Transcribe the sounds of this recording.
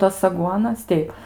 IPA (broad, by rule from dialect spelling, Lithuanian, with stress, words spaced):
ˈtɐs ɐˈɡuɔnɐs ˈtʲɛɪp